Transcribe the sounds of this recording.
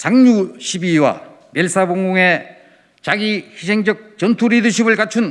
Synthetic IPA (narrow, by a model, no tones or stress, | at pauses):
saŋɲuɕʰibiwa̰ | mjeɭs͈ʰaboŋɡoŋe̞ | t͡ɕaɡihisʰe̞ŋd͡ʑʌk̚t͡ɕʌntʰuɾidɯɕ̬ʰibɯɭkat͡ɕʰun